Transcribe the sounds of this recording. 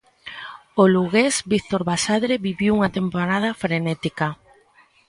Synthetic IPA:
oluɣezbikt̪oɾβasaðɾeβiβiwuŋɐt̪empoɾað̞ɐfɾenet̪ikɐ

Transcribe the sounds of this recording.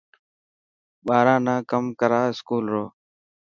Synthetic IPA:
ɓaːɾãːnãːkəmkəɾaːɪskuːlɾoː

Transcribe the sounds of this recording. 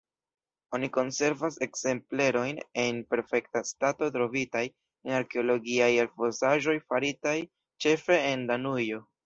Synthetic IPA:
o̞niko̞nse̞ɾvase̞kse̞mple̞ɾo̞jne̞npe̞ɾfe̞ktastato̞tɾo̞vitaj | enaɾke̞olo̞ɡiajelfo̞saʒo̞jfaɾitaj | t͡ʃe̞fe̞ːndanujo̞

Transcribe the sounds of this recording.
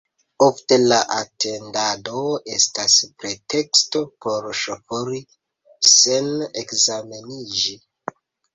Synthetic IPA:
o̞fte̞laʔatʰe̞ndado̞estaspɾe̞te̞ksto̞pʰoɾʃofoɾi | se̞nekzame̞nid͡ʒi

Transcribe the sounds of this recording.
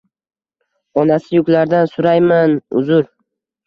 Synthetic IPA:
ɒnasɪjʊkʲlaɾd̪ansʊɾajmanʊ̰zʊɾ

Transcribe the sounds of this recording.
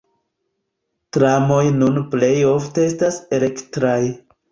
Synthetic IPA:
tɾamo̞jnunple̞jo̞fteestasele̞ktɾaj

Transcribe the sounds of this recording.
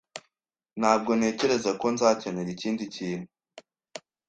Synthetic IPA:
n̥haːb̚ɡo̞ne̞ce̞ɾe̞zako̞nzaːceneɾiciːndiciːn̥hu

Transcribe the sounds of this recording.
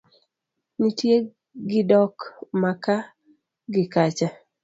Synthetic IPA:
nitje | ɡɪdɔkmaka | ɡɪkat͡ʃa

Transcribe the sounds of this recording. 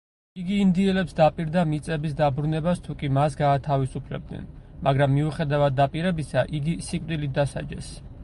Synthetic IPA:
iɡiːnd̪iɛlɛpsd̪apʼiɾd̪amit̪sʼɛbisd̪abɾunɛbast̪ʰukʼimasɡaːt̪ʰavisupʰlɛ̰b̚d̪nɛ̰n | mʔaɡɾamːiuχɛd̪avad̪ːapʼiɾɛbisaʔiɡisikʼd̪ilit̪̚d̪asa̰d͡ʒɛ̰s

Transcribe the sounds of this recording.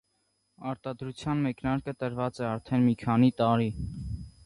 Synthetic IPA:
ɑɾt̪ɑd̪ɾut͡sʰjɑnmɛknɑɾkət̪əɾvɑt͡sɛɑɾt̪ʰɛnmikʰɑnit̪ɑɾi

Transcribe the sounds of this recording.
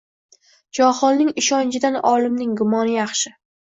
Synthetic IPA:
d͡ʒɒχɒlˠnɪŋɪʃɒnt͡ʃʰɪd̪anɒlɪmnɪŋɡʊmɒnɪjɑχʃɪ

